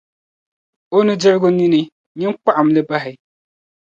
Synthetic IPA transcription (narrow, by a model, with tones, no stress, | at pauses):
o˦nɨ˦d͡ʒɪ˦ɾɡʊ˦ni˦nɨ˦ | ɲɪ˦nk͡pa˦ʔa˨m˨lɨ˦ba˦ɦɪ˨